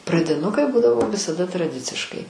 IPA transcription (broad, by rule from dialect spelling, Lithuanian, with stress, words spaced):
prɐdʲɪˈnʊkɐɪ ˈbuːdɐʋoː ʋʲɪsɐˈdɐ trɐˈdʲɪt͡sʲɪʃkɐɪ